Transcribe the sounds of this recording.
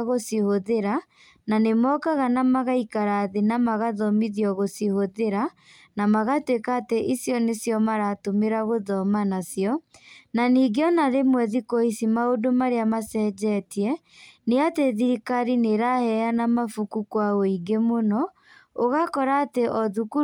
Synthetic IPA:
ɣosihoðeɾa | nanemɔkaɣanamaɣaikaɾaðenamaɣaðɔmiðiɔɣosihoðeɾa | namaɣatwekaːteʔisjɔnesjɔmaɾatomeɾaɣoðɔmanasiɔnaniːɡeɔnaɾemwɛðikoisimaodomaɾeamasɛːd͡ʒɛtiɛ | neateðiɾikaɾineɾahɛanamafukukwaɣoiɡemonɔ | oɣakɔɾaːteʔɔðuku

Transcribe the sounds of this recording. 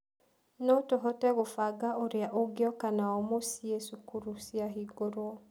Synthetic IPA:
notoɦɔtɛɣofaɡaoɾeaʔoɡeɔkanaɔmosiesukuɾusiaɦiɡoɾwɔ

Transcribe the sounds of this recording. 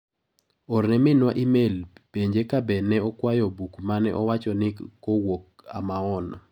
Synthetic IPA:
ornɛmɪnwaʔimelpeɲd͡ʒekabɛnɛɔkwajɔbukmanɛʔɔwat͡ʃɔnɪkowok̚ | a̰maɔnɔ

